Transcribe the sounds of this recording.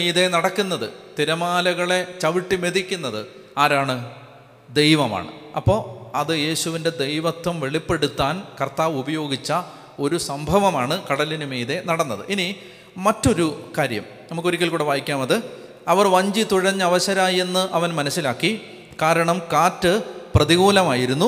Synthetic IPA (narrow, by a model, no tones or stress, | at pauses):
mejðe̞nɐɽɐkːunːɐðɨt̪iɾɐmaːlɐɣɐɭe̞t͡ɕɐʋiʈːime̞ðikʲːunːɐðɨ | aːɾaːɳɨ | d̪ejʋɐma̰ːɳɨ̰ɐpːo̞ːɐðɨje̞ːɕuʋinde̞d̪ejʋɐt̪wɐmʋe̞ɭipːe̞ɽut̪ːaːnkɐrt̪aːʋubɐjo̞ːɡit͡ɕːɐ | o̞ɾusɐmbʱɐʋɐmaːɳɨkɐɽɐlinɨmeːðe̞nɐɽɐnːɐðɨ̰ʔini | mɐtːo̞ɾukaːɾjɐ̰m | nɐmukːoɾikʲːɐlkuːɽeʋaːjikʲːaːmɐðɨ | ɐʋɐrʋɐɲd͡ʑit̪uɻɐɲːɨɐʋɐɕɐɾaːjenːɨʔɐʋɐnmɐnɐsːilaːkːi | kaːɾɐɳɐmkaːtːɨprɐðiɣuːlɐmaːjiɾunːu